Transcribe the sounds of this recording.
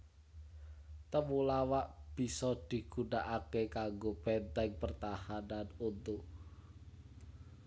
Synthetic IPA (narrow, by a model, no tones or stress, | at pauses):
t̪əmulawaʔb̥i̤sɔd̪̥i̤ɡ̥ṳnaʔakekaŋɡopɛnt̪ɛŋpərt̪ahananunt̪u